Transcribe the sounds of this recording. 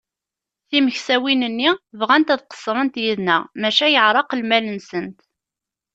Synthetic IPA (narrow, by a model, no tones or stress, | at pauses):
θiməçsæwinənːivʁænt̪æðqə̥sˤɾˤənt̪jiðnæmæʃæjəʕɾˤɑqəlmælənsənt̪